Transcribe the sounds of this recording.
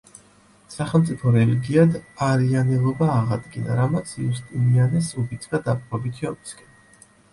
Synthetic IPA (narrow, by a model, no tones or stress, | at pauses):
saχɛlˠt̪sʼipʰɔɾɛliɡiad̪aɾianɛlˠɔbaːʁad̪ɡina̰ɾamat̪sʰjust̪ʼimianasubit̪ʰʼɡad̪apʼvɔbit̪ʰiɔmiskʰʼɛ